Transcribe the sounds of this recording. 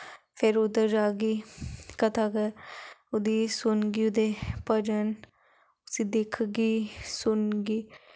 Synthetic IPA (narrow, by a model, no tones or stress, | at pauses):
pʰɪɾʊd̪əɾd͡ʒaːɡiːkət̪ʰaɡəʊd̪iːsʊnɡiːʊd̪epəd͡ʒən | ʊsiːd̪ekʰɡiːsʊnɡiː